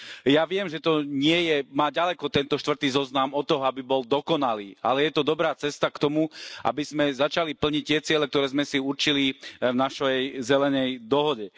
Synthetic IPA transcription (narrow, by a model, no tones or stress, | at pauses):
jaʋɪɛmʒɛt̪ɔɲɪɛjɛmaːɟalɛkɔt̪ɛnt̪ɔʃt̪ʋr̩t̪iːzɔznamɔt̪ːɔɦɔabibɔld̪ɔkɔnaliːa̰lɛjɛt̪ɔd̪ɔbɾaːt͡sɛst̪akt̪ɔmuʔa̰bizmɛzat͡ʃalipl̩ɲic̚t̪ɪɛt͡sɪɛlɛk̚t̪ɔɾɛːzmɛsiuɾt͡ʃilivnaʃɛjzɛlɛnɛjd̪ɔɦɔɟɛ